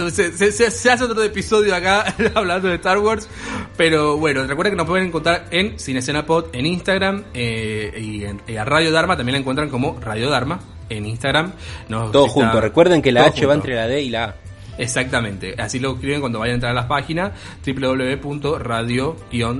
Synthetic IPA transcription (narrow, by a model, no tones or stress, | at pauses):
seseseseas̬eot̪ɾoepiso̞ðjoakaaβland̪oðeht̪aɾwoɾs | peɾo̞βwe̞norekweðkenopweðeneŋkont̪ɾaɾensines̬enapoðeninst̪aɣɾameienaraðjoðaɾmat̪ambjelaeŋkwent̪ɾaŋko̞mo̞raðjo̞ðaɾma | eninst̪aɣɾamnost̪ooxunorekweɾðeŋkelaat͡ʃeβaenɾelaðeilaa | esak̚t̪amẽ̞nt̪e̞̰a̰siloeskɾiβe̞ŋkwand̪o̞ajanent̪ɾaɾalaspaxinas | t̪ɾip̬le̞ðoleepunt̪o̞raðjo̞kjon